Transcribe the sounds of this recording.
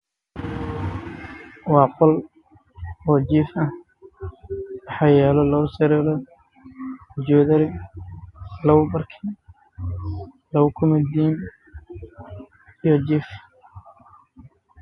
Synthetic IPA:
wɑːqɔl | ɔːd͡ʒifɐh | wɑħɑːjɛːlɔlɐwsɐɾɛlɔ | d͡ʒɔːðɐɾɪ | lɐwbɐrkʰiː | lɐwkʰʊmɐd̪iːn | ijɔt͡ʃif

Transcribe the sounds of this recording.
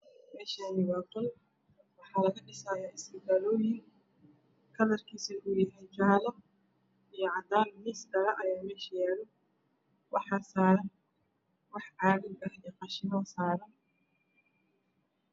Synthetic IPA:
mɛːʃaːnɪwɑːqɔl | wɑħɑːlɐɣɐɖɪsaːjaːʔɪsɐɡaːlɔːjɪŋ | kʰɐðɐrkʰiːsɐʊjɐɦɛjt͡ʃaːlɐ | ijɞʕɑd̪aːnmisdɐɾɐʔɐjaːmɛːʃɐjaːɽɔ | wɑħɐsaːɾɐn | wɑħʕɑːɾɪɡɐhɛqɑʃɪnɔːsaːɾɐn

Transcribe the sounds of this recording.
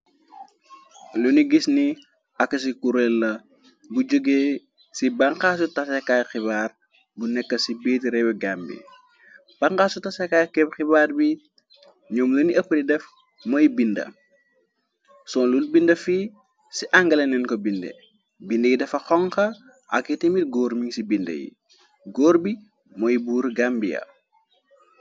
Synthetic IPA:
luniɡisni | ɐkːɐs̬ikuɾɛlːɐ | bud͡ʒəɡeː | sibaŋkaːs̬utɐsɛkajxiβaːr | bunɛkːɐsibiːtɾɛwɛɡambḭ | b̥aŋkaːsutɐsɛkaːjkɛpxibaːrbi | ɲɔːmluniɐpːɐdidɛf | mɔjbindɐ̰ | sɔnlulbindɐfiː | siʔaŋɡɐlɐnɛnkɔbindɛ̰ | bindɐjidɛfɐxɔŋxɐ | ʔɐ̰kːitimit̚ɡɔːɾmiŋsibindɐ̰jḭ | ɡɔːɾbi | mɔjibuːɾɡambijɐ̰

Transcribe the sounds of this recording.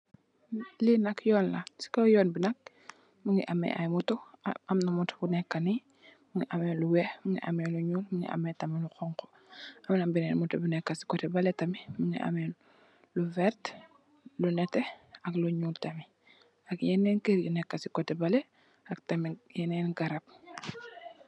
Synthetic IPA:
linɐkjɔːnlasi̥kojɔːnbinak̚ | muŋḭʔamḛʔajmutɔamnamuto̥bunɛkːani | muŋiʔamɛluwemuŋḭʔa̰meluɲuːlmuŋḭʔa̰mɛtamiluxɔŋko̥ | amnabinɛnmutobunɛkːasi̥kɔtɛbaletɐmimuŋḭʔa̰mɛ | luvɛɾt | lunɛtɛakluɲuːltami | akjɛnɛnkeɾɟunɛkːasi̥kɔtɛbale | aktamijɛnɛːnɡaɾap̚

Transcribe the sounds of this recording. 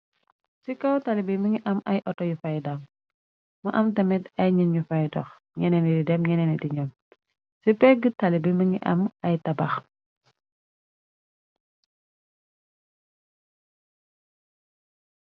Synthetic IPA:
sikɐwtɐlibimɐŋiʔɐmɐjʔɔtɔjufɐjdɐm | mɐʔɐmtɐmɛtɐjɲinɲufɐjdɔ̰x | ɲɛnɛnididɛmɲɛnɛnidiɲɔm | sipɛɡətɐlibimɐŋḭʔɐ̰mɐjtɐbɐx

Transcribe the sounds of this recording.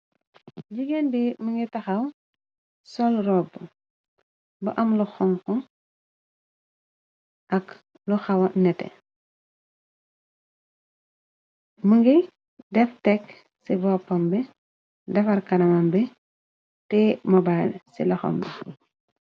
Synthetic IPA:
ɟiɡenbimuŋɡitɐxɐw | sɔlrɔbːu | bɐʔɐmluxɔŋkɔ | ʔɐk | luxɐwɐnɛtɛ̰ | muŋɡi | dɛftɛk | sibɔːpːɐmbɛ | dɛfɐrkɐnɐmɐmbɛ | tɛmɔbajlsḭlɐxɔ̰mbi

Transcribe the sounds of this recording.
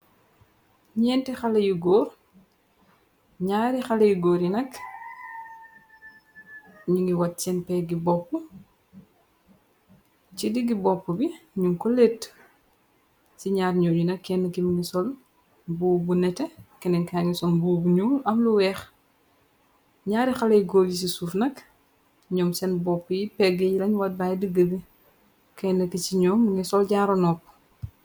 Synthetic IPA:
ɲɛːntɛxalɐjuɡɔːr | ɲaːɾixɐlɐjuɡoːɾinɐk | ɲuŋɡiwɐt̚t͡ʃɛnpɛɡibɔpːu | cidiɡibɔpːubiɲuŋkɔlet | siɲaːɾɲɔːɲunɐkːɛnːɐkimiŋisɔl | buːbunɛtɛkɛnɛŋkaŋisɔnbuːbuɲuːlɐmluwɛx | ɲaːɾixɐlɐjɡoːljis̬isufnɐk | ɲɔːmsɛnbɔpːujipɛɡejilɐɲwat̚bajdiɡːəbi | kɛnːɐkit͡ʃiɲɔːmŋisɔlɟaːɾɔnɔpː

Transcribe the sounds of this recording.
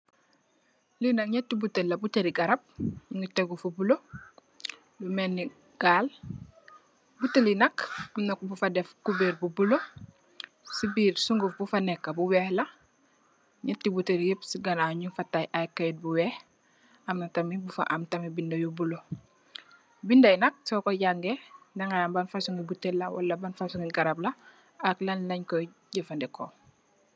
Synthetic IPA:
linakɲatːibutelɐbuteɾiɡɐɾɐp̚ŋiteɡufubulo | lumenːi | ɡ̥aːl | butelinɐkamnabufadefkubeɾbubulo | sibiːɾsuŋɡufbufanekːabuweːhla | ɲɐtːibutəɾjepsiɡɐnaɲufatajʔajkːajt̚buwɛːh | amnɐtɐmibufa̰ʔamtɐmibindɐjubulo | bindɐjnɐk̚sɔkɔɟaŋɡendɐŋɡajambanfasuŋɡibutelːɐwa̰lːɐbanfasuŋɡiɡaɾablɐ | aklanlɐɲkɔɟəfandɛkɔ

